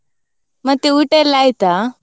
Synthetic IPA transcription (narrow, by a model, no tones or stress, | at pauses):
mɐt̪iuʈelːaːjt̪a